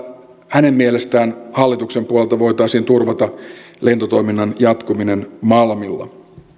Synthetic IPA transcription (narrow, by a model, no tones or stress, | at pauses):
hæne̞mmielest̪æːnhɑlːit̪ukse̞mpuolelt̪ɑʋo̞jt̪ɑjsiːnt̪urʋɑt̪ɑle̞nt̪ot̪o̞jminːɑnjɑt̪kumine̞nmɑlmilːɑ̰